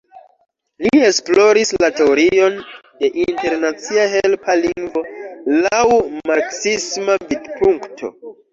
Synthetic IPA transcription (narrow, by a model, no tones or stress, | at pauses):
lie̞splo̞ɾislate̞oɾio̞nde̞ʔinte̞ɾnat͡siaɦelpʰaliŋɡvo̞lawmaksismavidpuŋktʰo̞̰